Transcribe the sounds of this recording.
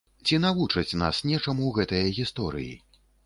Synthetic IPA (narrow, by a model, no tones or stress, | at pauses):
t͡sʲinavut͡ʂɐt͡sʲna̰snʲɛt͡ʂamuwɣɛt̪ɐjɐɣʲist̪ɔɾɨ̰jḭ